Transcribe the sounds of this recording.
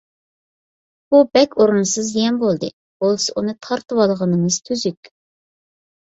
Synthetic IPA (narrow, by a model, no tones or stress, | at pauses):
b̥ubɛkʲʰoɾunɨsɨzjɛnbolˠd̪ɨ̰ | b̥olˠsɨʔunɨt̪ʰɑɾt̪ɨwɑlˠʁənɨŋɨz̥t̪ʰyzykʲ